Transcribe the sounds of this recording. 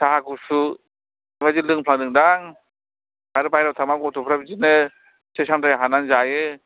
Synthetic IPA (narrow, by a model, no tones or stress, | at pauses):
tʰaɦaɡusu | ibazilɯŋpʰlaŋdɯŋdaŋ | kaɾɯbajɾawtʰamaɡɔtʰupʰɾabizinɯ | sesamtʰajɦananzajɯ